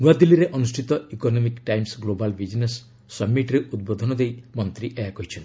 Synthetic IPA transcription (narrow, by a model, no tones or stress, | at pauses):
nuad̪ilːiɾeʔɔnusʈʰit̪ɔikonɔmikʈajmsɡlobalbid͡ʒnesː | ɔbmːiʈɾeʔud̪̚bod̪ʱɔnɔd̪ejmɔnt̪ɾiʔeakɔɦit͡ʃʰɔn